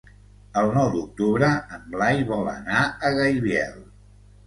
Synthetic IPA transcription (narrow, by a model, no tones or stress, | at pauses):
əlˠnɔwd̪uk̚t̪uβɾəəmlajβɔlə̰naəɣəjβjɛ̰lˠ